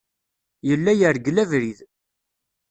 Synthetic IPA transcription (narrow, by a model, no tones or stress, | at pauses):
jəlːæjəɾɡlævɾið